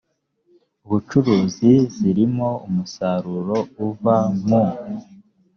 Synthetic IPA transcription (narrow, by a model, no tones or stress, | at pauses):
uβut͡ʃuɾuːziziɾimo̞umusaɾuɾo̞uvamu